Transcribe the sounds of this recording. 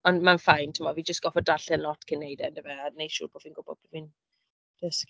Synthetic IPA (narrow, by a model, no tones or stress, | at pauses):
ɔnmanfajntʰɪmɔviːd͡ʒəstɡ̥ɔfɔdaɬɛnlɔtkʰənːejdɛndɪmɛanejʃṵːboːd̥viːnɡʊb̥ɔ̰d̥̚b̥vin | d̥əsk